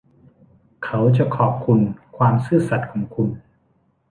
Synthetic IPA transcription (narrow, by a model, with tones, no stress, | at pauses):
kʰa˦˥wt͡ɕa˨˩kʰɔː˨˩p̚kʰu˧nkʰwaː˧msɯː˥˩sa˨˩t̪̚kʰɔː˩˦ŋkʰu˧n